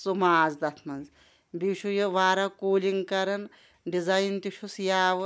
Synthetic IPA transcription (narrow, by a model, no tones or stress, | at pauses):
sumaːzd̪ɐt̪ʰmɐnz | biʃujeʋaːɾɐkoːliŋɡkɐɾɐn | ɖizajnt̪iʃʰusjaːʋ